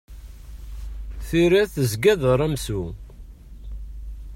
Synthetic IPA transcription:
θiɾæθəzɡæðəɾˤæmsu

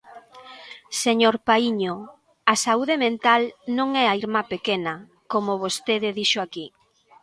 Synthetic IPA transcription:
seɲoɾpaiɲo | asauðemẽnt̪alnõŋɛaiɾmapekenɐ | komʊβost̪eðɪðiʃoaki

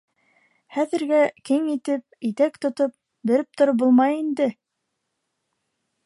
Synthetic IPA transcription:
χæðɘ̆ɾɡækɘŋit̪ɘp̚it̪ækt̪ŏt̪op̚ | bɘ̆ɾɘp̚t̪ŏɾɤp̚bulˠmɑjind̪ɘ

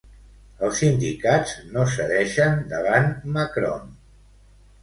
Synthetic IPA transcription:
əlˠsːind̪ikadznosəðɛʃənd̪əβ̞anməkɾɔ̰n

